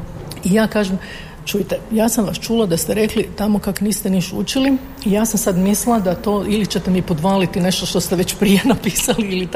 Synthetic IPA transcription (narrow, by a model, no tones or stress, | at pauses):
ijaːkaːʒem | t͡ʃujit̪ejaːsamʋast͡ʃuːlˠad̪ast̪eɾe̞klit̪amo̞kakniːst̪eniʃut͡ʃili | ijaːsamsad̪mislˠad̪at̪oːilit͡ɕet̪emipo̞d̪ʋaːlit̪ine̞ʃt̪o̞ʃt̪o̞st̪eʋe̞t͡ɕpɾije̞napiːsaliili